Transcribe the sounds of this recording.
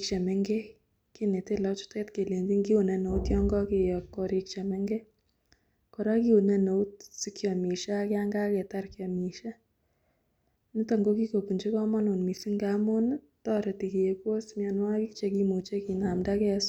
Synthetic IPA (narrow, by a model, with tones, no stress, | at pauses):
kt͡ʃɛ˨mɛ˦ŋɡe˦ | ki˦ne˨te˦lɔt͡ʃʊ̥˦te˦tke˨le˨ndi˦ŋɡi˦u˨nɛ˨no˨u˦tjɔ˦ŋɡɔ˦ki˨jɔ˨kːo˨ɾikt͡ʃɛ˨mɛ˦ŋɡe˦ | ko˨ɾa˦ki˦u˨nɛ˨no˨u˦tsi˦kjɔ˨mi˨ʃa˦kɛ˦a˦ŋɡa˦kɛ˨ta˦rkjɔ˨mi˨ʃa˦ | ni˦ta˨ŋɡo˦ki˦ko˨pu˨nd͡ʒi˦kɔ˦ma˦no˨nmi˨si˦ŋɡa˦mo˦n | tɔ˦ɾɛ˨ti˨ki˨je˨kwo˦smja˨nwa˦ki˦kt͡ʃe˧ki˦mu˨t͡ʃe˦ki˨na˨mda˦kɛ˦s